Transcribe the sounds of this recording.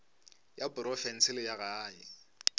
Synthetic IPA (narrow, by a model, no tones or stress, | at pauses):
jabʊɾɔfɛn̩sɪlɪjaɣaːɪ